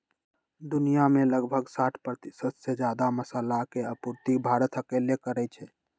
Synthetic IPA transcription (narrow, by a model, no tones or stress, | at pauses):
d̪unijameləɡbʱəɡsaʈʰpɾət̪isəd̪sed͡ʒjad̪aməsəlakeəpuɾt̪ibʱaɾət̪ʰəkelekəɾɛt͡ʃʰɛ